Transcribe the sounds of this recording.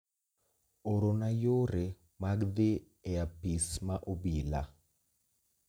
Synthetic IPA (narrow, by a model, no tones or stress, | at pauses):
oɾonajoɾe | maɡd̪ɪ | ɛapismaʔobila